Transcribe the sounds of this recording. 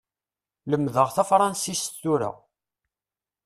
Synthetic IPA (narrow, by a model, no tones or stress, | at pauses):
ləmːðəʁθæfɾˤɑnsist̪ːuɾa̰